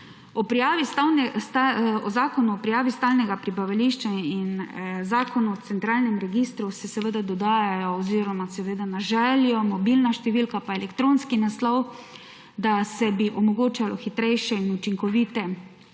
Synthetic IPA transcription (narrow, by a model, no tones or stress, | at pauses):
ɔpai | ɔzaːkɔnuɔpɾijaːʋist̪aːlnɛɡapɾibaʋaliʃt͡ʃainzaːkɔnuɔt̪sɛnt̪ɾaːlnɛmɾɛɡist̪ɾusɛsɛʋəd̪ad̪ɔd̪aːjajɔːziːɾɔmasɛʋed̪anaʒɛljɔmɔbilnaʃt̪ɛʋiːlkapaelɛkt̪ɾoːnskinaslɔw | d̪asɛbiʔɔmɔɡoːt͡ʃalɔxit̪ɾɛjʃɛinut͡ʃiŋkɔʋiːt̪ɛ